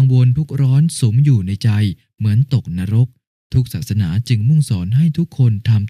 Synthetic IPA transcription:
ŋwo˧nt̪ʰu˦˥k̚ɾɔː˦˥nsu˩˦mjuː˨˩na˧jt͡ɕa˧j | mɯ˩˦ənt̪o˨˩k̚na˧˥ɾo˦˥k̚ | t̪ʰu˦˥k̚saː˨˩t̪̚sa˧naː˩˦t͡ɕɯ˧ŋmɯ˥˩ŋsɔː˩˦nha˥˩jt̪ʰu˦˥kʰːo˧nt̪ʰa˧m

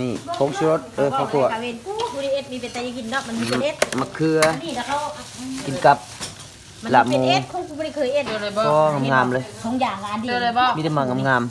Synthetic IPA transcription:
niː˧˩kʰo˨˧˦ŋsu˧ɾo˧˦t̪̚ʔɤː˧˨˩ɔː˧˩k̪ʰu˧˨ɐka˧we˧˨nu˧bɔː˧ɾi˧ʔe˧˩t̪̚miː˧˩pa˨˩t̪ɛ˧˦jŋi˨˩ndɔ˧ma˧nmi˧˨˧ʔe˦˧˥t̪̚ma˧˩kʰːɯ˧ɐiː˧˨a˧kʰa˧˨ki˨nka˧˦p̚ | ma˧˨la˧m˧oː˧e˧kʰo˧˥ŋkːbɔː˧ɾkʰɤː˨jʔe˧˩˧ɔː˧ŋa˧mŋaː˧˩mlɤː˧jkʰɔː˨˧˦ŋjaː˨˩ŋlaː˧˨ndi˧˨˧miː˧t̪a˧maː˧˩ŋa˧˨mŋaː˧˩m

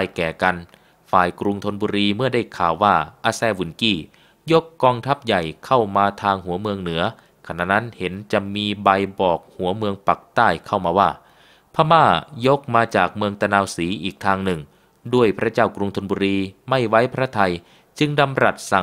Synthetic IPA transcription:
a˧jkɛː˨˩ka˧n | faː˨˩jkɾu˧ŋt̪ʰo˧nbuː˧ɾiː˧mɯ˥˩ɐda˥˩jkʰaː˨˩wːaː˥˩ʔaː˧sɛː˧˩wu˨˩˦nkiː˥˩ | jo˦˥kːɔː˧ŋt̪ʰa˦˥p̚ja˨˩jkʰa˥˩wmaː˧t̪ʰaː˧ŋhu˩˦ɐmɯ˧əŋnɯ˩˦ɐ | kʰa˧na̰˧˩ʔna˦˥nhe˨˦nt͡ɕa˨˩miː˧ba˧jbɔː˨˩k̚hu˩˦ɐmɯ˧əŋpa˨˩k̚t̪aː˥˩jkʰa˥˩wmaː˧waː˧˥˩ | pʰa˧maː˧˥˩jo˦˥k̚maː˧t͡ɕaː˨˩k̚mɯ˧əŋt̪a˧naː˧wsiː˩˦ʔiː˨˩k̚t̪ʰaː˧ŋnɯ˨˩ŋ | du˥˩əjpʰɾa˦˥t͡ɕaː˥˩wkɾu˧ŋt̪ʰo˧nbuː˧ɾiː˧ma˥˩jwa˦˥jpʰɾa˦˥˨t̪ʰa˧j | t͡ɕɯ˧ŋda˧mɾa˨˩t̪̚sa˨˩

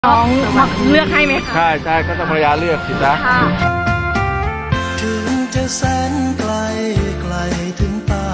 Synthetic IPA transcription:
ɔ˧˥˨ma˥˩klɯ˥˩ək̚ha˥˩jma˦˥t͡ɕʰa˥˩jt͡ɕʰa˥˩jkɔː˥˩t̪a˥˩pʰa˧a˧jaː˧˥lɯ˥˩ək̪̚ːʰi˨˩na˦˥˩ | t͡ɕɯ˧˩ŋt͡ɕa˧sɛː˧˥nkla˧jkla˧j | t̪ʰɯ˨˩˦ŋpa˧

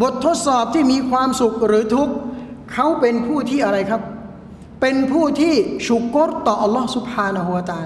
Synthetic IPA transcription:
bo˨˩t̪ʰːo˦˥t̪̚sɔː˨˩p̚t̪ʰiː˥˩miː˧kʰwaː˧msu˨˩k̚ɾɯː˩˦t̪ʰu˦˥k̚kʰːa˦˥wpe˧npʰuː˥˩t̪ʰiː˥˩ʔa˧ɾa˧jkʰa˦˥pː | e˧npʰuː˥˩t̪ʰiː˥˩su˨˩kːo˦˥tt̪ɔː˨˩ʔa˧lːɔː˦˥˩su˨˩p̚haː˧na˧ɦu˧wa˧t̪aː˧

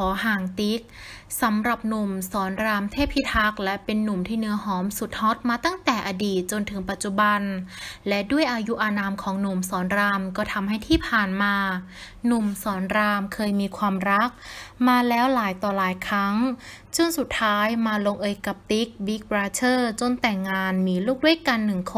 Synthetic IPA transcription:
kʰɔː˩˦ɦaː˨˩ŋt̪i˦˥k̚ | sa˩˦mɾa˨˩p̚nu˨˩msɔː˩˦nɾaː˧mt̪ʰeː˥˩pʰːi˦˥t̪̚ha˦˥k̚lɛ˦˥pe˧nːu˨˩mt̪ʰiː˥˩nɯ˦˥ɐɦɔː˩˦msu˨˩t̪̚hɔ˦˥t̪̚maː˧t̪a˥˩ŋt̪ɛː˨˩ʔaː˧diː˨˩t̪̚t͡ɕo˧nt̪ʰɯ˩˦ŋpa˨˩t̪̚t͡ɕu˨˩ba˧nlɛ˦˥du˥˩əjʔaː˧ju˦˥ʔaː˧naː˧mkʰɔː˩˦ŋnu˨˩msɔː˩˦nɾaː˧mkɔː˥˩t̪ʰa˧mɦa˥˩jt̪ʰiː˥˩pʰaː˨˩nmaː˧ | nu˨˩msɔː˩˦nɾaː˧mkʰɤː˧jmiː˧kʰwaː˧mɾa˦˥k̚maː˧lɛː˦˥wlaː˨˩˦jt̪ɔː˨˩laː˨˦jkʰɾa˦˥ŋ | t͡ɕɯ˥˩ŋsu˨˩t̪ʰːaː˦˥jmaː˧lo˧ŋʔɤː˧jka˨˩p̚t̪i˦˥k̚bi˦˥k̚bɾaː˧˥t͡ɕʰɤː˥˩t͡ɕo˧nt̪ɛ˨˩ŋːaː˧nmiː˧luː˥˩k̚li˥˦˥kːa˧nːɯ˨˩ŋkʰ

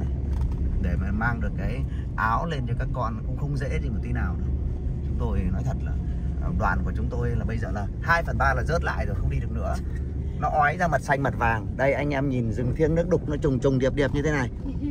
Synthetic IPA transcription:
ɗe˧˩maː˨˩maː˧ŋɗɨ˨˩əkːaː˨˦j | ʔaː˨˦wle˧nt͡ɕɔ˧kaː˦˥kːɔ˧n˩kʊ̰˧˥ŋ͡mxə˧wŋ͡mzḛ˧˥zi˧mo˨˩t̪i˨˦naː˨˩wɗɨ˨˦t͡ɕʊ˨˦ŋ͡mt̪o˧jnɔ˨˦jt̪ʰə˨˩t̚laː˨˩ | ɗwaː˨˩nku˧˩ət͡ɕʊ˨˦ŋ͡mt̪o˧jlaː˨˩ɓə˧jzəː˨˩laː˨˩haː˧jfə˨˩nɓaː˧laː˨˩zəː˦˥t̚la̰ː˧˨jzo˨˩jxə˧wŋ͡mɗi˧ɗək̚nɨ̰˧˥ə | nɔ˨˦ʔɔ˨˦jzaː˧mə˨˩t̚sa˧jŋ̟mə˨˩t̚vaː˨˩ŋɗə˧jʔa˧jŋ̟ʔɛ˧mɲi˨˩nzɨ˨˩ŋt̪ʰi˧ənɨ˦˥ək̚ɗʊ˨˩k͡p̚nɔ˨˦t͡ɕʊ˨˩ŋ͡mt͡ɕʊ˨˩ŋ͡mɗi˨˩əp̚ɗi˨˩əp̚ɲɨ˧t̪ʰe˨˦na˨˩j

